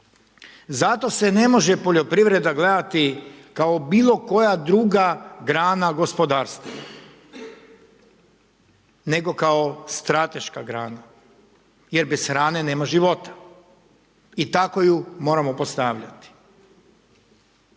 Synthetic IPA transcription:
zat̪o̞se̞ne̞mo̞ʒe̞po̞ʎopɾiʋɾe̞d̪aɡle̞d̪at̪ikao̞biːlˠo̞ko̞jad̪ɾuɡaɡɾaːnaɡo̞spo̞d̪aːɾst̪oʋa | ne̞ɡo̞kao̞st̪ɾat̪e̞ʃkaɡɾaːna | je̞ɾbesxɾaːne̞ne̞ːmaʒiʋo̞t̪ḁ | it̪ako̞jumo̞ɾamopost̪aːʋʎa̰t̪i̥

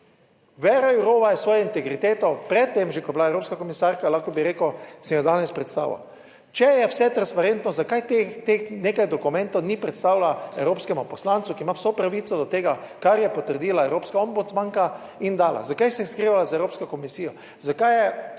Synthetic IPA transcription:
ʋɛɾajuɾoːʋajɛsʋɔːjɔint̪ɛɡɾit̪eːt̪ɔpɾɛt̪ːemʒɛkoɔj̪blaewɾoːpskakɔmisaɾkalaxkɔbiɾeːkosɛmjɔd̪aːnɛspɾɛt̪st̪a̰ːʋa̰ | t͡ʃɛjɛwsɛt̪ɾanspaɾent̪nɔzakajt̪et̪exneːkajd̪ɔkumɛ̃nt̪ownipɾɛt̪st̪aːwlaɛwɾoːpskɛmʊpɔslant̪sukiːmawsɔpɾaʋit̪sɔd̪ɔt̪eːɡakaɾjɛpɔt̪əɾd̪iːlaɛwɾoːpskaɔmbut̪smaŋka | ind̪aːla̰zakajsɛjɛskɾiːʋalazaewɾoːpskɔkɔmisiːjɔ | zakajjɛ

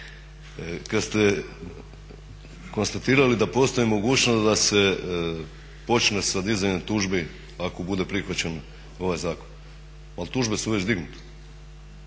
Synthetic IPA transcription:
kad̪st̪e | ko̞nst̪at̪iːɾalid̪apo̞st̪oimo̞ɡuːt͡ɕnosd̪ase | po̞t͡ʃnesad̪izajnet̪uːʒbi | ako̞bud̪e̞pɾixʋat͡ɕe̞n | o̞ʋajzaːko̞̥n | alt̪uːʒbesuʋe̞t͡ɕd̪iɡnut̪e̥

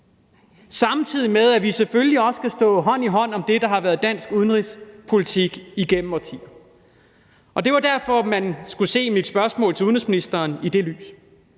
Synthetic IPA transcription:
sɑ̈mt͡sʰið̰ˠimeðˠæʋisefølliɒ̽səɡ̥æsd̥ɔ̰̽ːɦɒ̽n̰iɦɒ̽n̰ɒ̽md̥e̝d̥ɑ̈ɦɑ̈ʋæɐð̞ˠd̥æn̰sɡ̥uð̞ˠn̩ʁispʰo̝lit͡sʰiɡ̥iɡ̥em̰m̩ɒt͡sʰḭːɐ | ʔɒ̽d̥e̝ʋɑ̈d̥æɐ̰fɒ̽mænsɡ̥use̝̰ːmid̥sb̥ɶɐsmɔ̰̽ːlt͡sʰe̝uðˠnʁisminisd̥ɐːnid̥e̝ly̰ːs

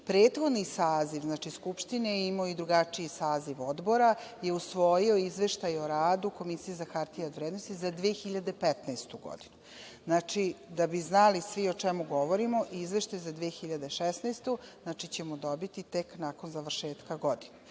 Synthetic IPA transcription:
pɾeːt̪xo̞d̪nisaːziʋznat͡ʃiskupʃt̪ineimaoid̪ɾuɡat͡ʂiisaːziʋod̪bo̞ɾaje̞usʋojioizʋe̞ʃt̪ajoɾaːd̪uko̞misijezaxaɾt̪ijad̪ʋɾed̪nost̪izad̪ʋeexiʎad̪epɛt̪nest̪uɡo̰d̪inu | znat͡ʃid̪abiznalisʋiot͡ʂemuɡoʋoɾimo̞ʔizʋe̞ʃt̪ajzad̪ʋeexiʎad̪eʃesnest̪uznat͡ʃit͡ɕemod̪obit̪it̪eknako̞nzaʋr̩ʃeːt̪kaɡo̞d̪ine

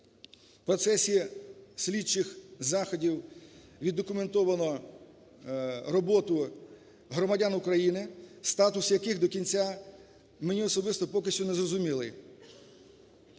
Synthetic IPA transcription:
pɾɔt̪sɛsʲisʲlʲit͡ʃːɪxzɑxɔdʲiwʋʲid̪ːɔkʊment̪ɔʋɐnɔ | rɔbɔt̪ʊ | ɦɾɔmɐdʲanʊkɾɐjinɪst̪ɑt̪ʊsjɐkɪxd̪ɔkʲinʲt͡sʲa | menʲiɔsɔbɪst̪ɔpɔkɪʃʲt͡ʃʲʊnɛzrɔzʊmʲilˠɪ

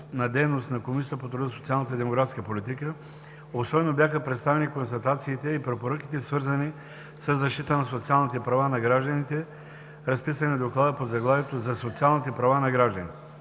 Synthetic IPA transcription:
nɐd̪ɛjnost̪nɐkomisit̪əpot̪ɾʊd̪əso̥t̪sialˠnət̪əid̪ɛmoɡɾat̪skəpolit̪ikə | osɔbɛnobjaxəpɾɛt̪st̪avɛnikõnst̪ɐt̪at̪siːt̪ɛipɾɛpoɾək̟i̥t̪ɛsvɤɾzɐni | səzːɐʃt̪it̪ənɐsot̪sialˠnit̪ɛpɾɐvanɐɡɾaʒd̪ənit̪ɛ | ɾɐspisɐnid̪oklˠad̪əpozɐɡlˠavɛt̪ozɐsot̪sialˠnit̪ɛpɾɐvanɐɡɾaʒd̪ənḭt̪ɛ

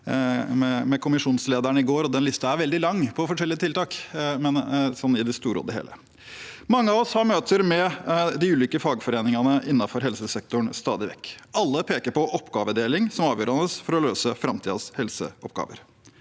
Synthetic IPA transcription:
mɛmɛkʰʊmɪʂuːnsleːd̪æɳəɪɡoːɾɔd̪ɛnlɪst̪ɑæɾʋɛld̪ɪlɑŋːpʰɔfɔʂɛlːɪət̪ɪlt̪ɑːkmɛnsɔnːɪd̪ɪst̪uːɾo̰ːd̪əhḛːlə̰ | mɑŋːəɑʋɔshɑɾmøːt̪ʰəɾmɛd̪ɪʉːliːkəfɑːɡfɔɾeːnɪŋɑnəʔɪnːɑfɔɾɦɛlsəsɛk̚t̪ʊɳst̪ɑ̰ːd̪ɪʋɛ̰kːɑlːəpʰeːkəɾpɔʔɔpːɡɑːʋəd̪eːlɪŋsɔmɑːʋjøːɾɑnəsfɔɾɔløːsəfɾɑmt̪ʰiːd̪ɑshɛlsə̰ɔpɡɑ̰ːʋə̰ɾ

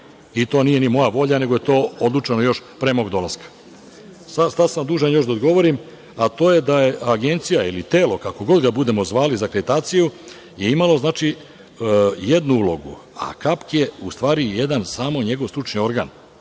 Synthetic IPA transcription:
it̪o̞ːnije̞nimo̞jaʋo̞ʎane̞ɡo̞je̞t̪o̞ːod̪lut͡ʃenojo̞ʃpɾemo̞ɡd̪o̞laskḁ | sasad̪samd̪uʒanjo̞ʃd̪aod̪ɡo̞ʋo̞ɾim | at̪o̞ːje̞d̪aje̞aɡe̞nt̪sijailit̪eːlo̞kako̞ɡo̞d̪ɡabud̪e̞mo̞zʋaːlizakɾed̪it̪aːt̪siju | je̞imalo̞znaːt͡ʃi | jed̪nuulˠo̞ɡu | a̰kapkje̞ust̪ʋaːɾijed̪ansaːmo̞ɲe̞ɡo̞ʋ̪t̪ɾut͡ʃnio̞ɾɡa̰ːn

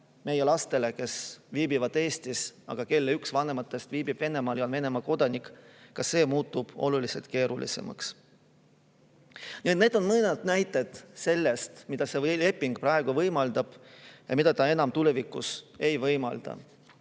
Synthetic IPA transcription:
me̞jelɑst̪e̞le̞ke̞sviːbivɑd̪̥e̞ːst̪isɑ̰ɡ̥ɑke̞lːeyksvɑne̞mɑt̪ˑːe̞st̪viːbib̥ve̞ne̞mɑːljonve̞ne̞mɑko̞d̪̥ɑnikˑkɑsːe̞ːmuːt̪ːˑub̥o̞̰lulise̞lt̪̚ke̞ːɾulḭsḛmʔɑ̰ks | niet̪ne̞ːd̪̥o̞nmɤned̪næjt̪ːˑe̞d̪̥se̞lːe̞st̪mid̪̥ɑse̞le̞pːˑiŋɡ̥pɾɑe̞ɡ̥uvɤjmɑld̪̥ɑb̥jɑ̰mid̪ɑt̪ɑe̞nɑmt̪ule̞vikːˑṵse̞jvɤjmɑ̰ld̪̥ɑ̰

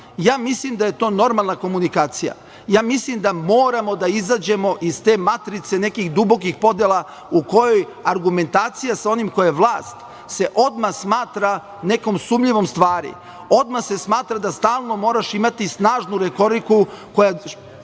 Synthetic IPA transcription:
jaːmislimd̪aje̞t̪o̞ːno̞ɾmalˠnako̞munikaːt̪sija̰ | jaːmislimd̪amo̞ːɾamo̞d̪aizad͡ʑe̞mo̞ʔist̪e̞ːmat̪ɾit̪se̞ne̞kixd̪ubo̞kixpo̞d̪jela | uko̞joj | aɾɡume̞nt̪aːt̪sijasao̞nimko̞jaʋlˠaːst̪ | se̞ʔo̞d̪maxsmaːt̪ɾa | ne̞ko̞msumʎiʋo̞mst̪ʋaːɾḭ | o̞d̪maxse̞smaːt̪ɾad̪ast̪aːlˠno̞mo̞ːɾaʃimat̪isnaːʒnuɾet̪o̞ɾikuko̞ja

